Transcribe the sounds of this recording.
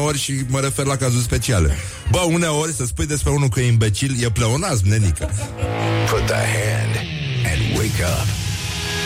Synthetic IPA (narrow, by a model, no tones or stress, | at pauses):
o̞rʲʃiməɾe̞fe̞rlakazurʲs̬pe̞t͡ʃialḛ | bəuneo̞rʲsəspujd̪e̞spɾeunukujimbe̞t͡ʃiljepleonas̬nenikə | pʰʊt̪̚ðə̰hæ̃nd | ɨ̰̃nwḛɪkʌ̰p